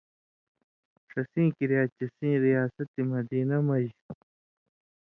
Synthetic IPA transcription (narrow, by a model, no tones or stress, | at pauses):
sɐsĩːkiɾijaːt͡ɕɐsĩːɾijaːsɐt̪imɐd̪iːnɐmɐj